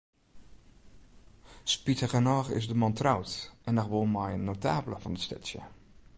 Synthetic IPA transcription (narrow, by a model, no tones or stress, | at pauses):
spitəɣənɔːɣɪ̰zdəmɑntrawtʔɛnɔxʋolˠmajənːotaːbləfɔnəstɛ̰tsjə̰